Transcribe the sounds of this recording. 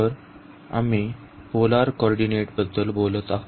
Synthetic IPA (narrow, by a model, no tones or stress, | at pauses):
əɾ | a̰mi | polaɾkɔɾɖineʈbəd̪ʱːəlbolət̪aɦ